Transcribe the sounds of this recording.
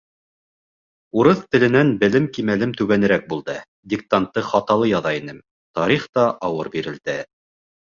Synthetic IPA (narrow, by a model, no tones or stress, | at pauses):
uɾɤθt̪ɘ̆lɘ̆nænbɘ̆lɘmkimælɘmt̪ʉβænɘ̆ɾæk̚bulˠd̪ɤ | d̪ʲik̚t̪ant̪ːɤχɑt̪ɑlˠɤjɑðɑinɘm | t̪ɑɾiχt̪ɑʔɑwɤɾbiɾɘ̆ld̪̥ɘ